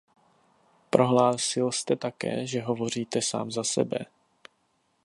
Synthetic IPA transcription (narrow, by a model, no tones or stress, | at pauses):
pɾʔo̞ɦlaːsɪlst̪ɛt̪akɛ̰ːʒɛɦo̞vo̞r̝iːt̪ɛsa̰ːmzasɛ̰bɛ̰